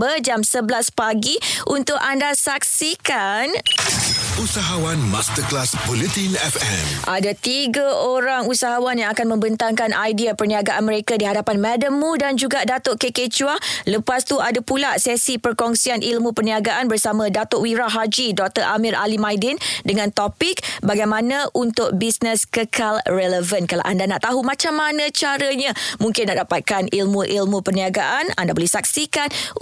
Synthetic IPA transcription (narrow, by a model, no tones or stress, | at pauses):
bərd͡ʒamsəbəlaspaɡiʔunt̪ʊkandasak̚sikan | ʔusaɦawanmast̪əklasbɔlit̪inɛfɛ̰̃mʔadat̪iɡaʔoɾaŋusaɦawanjaŋakanmə̃mbənt̪aŋkanʔajdiapərniaɡaʔanmə̃ɾekadiɦadapanmɛdəmːudand͡ʒuɡadat̪oʔkeket͡ʃualəpast̪uadapulasɛsipərkɔŋsianʔilmupərniaɡaʔanbərsamãdat̪oʔwiɾaɦad͡ʒidɔk̚t̪əɾʔamiɾʔa̰limãjdɪndəŋãnt̪opɪk̚baɡajmãnãunt̪ʊk̚bisnəskəkʰalrɛləvənkala̰ʔandana̰ʔt̪aɦumãt͡ʃamːanãt͡ʃaɾəɲãmũŋkɪnːaʔdapat̪̚kanilmuʔilmũpərniaɡaʔana̰ndabolɛhsak̚sikan